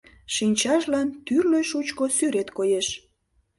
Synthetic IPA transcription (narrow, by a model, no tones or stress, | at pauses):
ʃinʲt͡ɕɑʃlɑnt̪yrløjʃut͡ɕkosyɾet̪kojeʃ